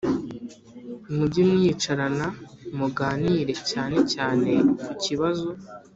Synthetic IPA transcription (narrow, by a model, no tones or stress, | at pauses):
umuɟimŋiːt͡ʃaɾanamuɡaːniːɾe̞caːne̞caːne̞kuciβazo̞